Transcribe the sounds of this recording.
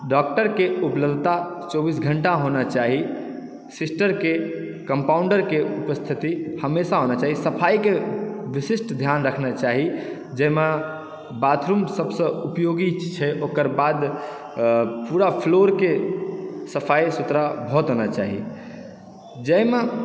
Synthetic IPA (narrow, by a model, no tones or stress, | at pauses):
ɖɔk̚ʈəɾkeupləbd̪ʱt̪at͡ʃɔbisɡʱəɳʈaɦonat͡ʃaɦi | sisʈəɾke | kəmpauɳɖəɾkeupəst̪ʰit̪ihəmesaɦonat͡ʃaːɦisəpʰajkeʋisisʈd̪ʱjanɾəkʰnat͡ʃaɦi | d͡ʒəme | bat̪ʰɾumsəbsə̃upjoɡit͡ʃʰɛʔokəɾbad̪ | puɾapʰloɾke | səpʰajsut̪ɾabʱɔt̪ɦonat͡ʃaɦḭ | d͡ʒəme